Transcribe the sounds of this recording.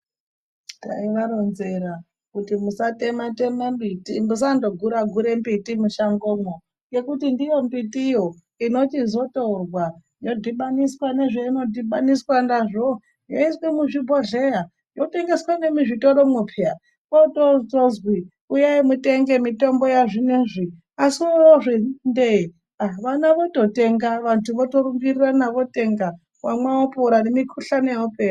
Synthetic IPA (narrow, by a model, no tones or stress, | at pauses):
ta̰iʋaɾonzeɾa | kutimusatematemembitimus̬ando̞ɡʱuɾaɡʱuɾe̞mbitimuʃaŋɡomwo | je̞kutindijo̞mbitijo̞ | ino̞t͡ʃizo̞torwa | jo̞dʱiɓaniswane̞ʐeino̞dʱiɓaniswandaʐo | joiswimuʐiboɮe̞ja | jote̞ŋɡe̞swane̞miʐitoɾo̞mupʰea | kototozwi | ujaimute̞ŋɡe̞mitombo̞jaʐineʐi | asiooʐinde | aʋanaʋo̞to̞te̞ŋɡaʋantʰuʋoto̞ɾumɡiriranaʋote̞ŋɡa | wamwaopoɾanemikʰuɬanejopeːra